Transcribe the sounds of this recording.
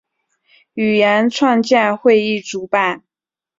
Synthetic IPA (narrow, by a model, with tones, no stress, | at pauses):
y˨˩jɛ˧˥nʈ͡ʂʰwɑ˥˧ŋt͡ɕjɛ˥˧nxwe˥˧ɪi˥˩ʈ͡ʂu˧˥pa˨˩˦n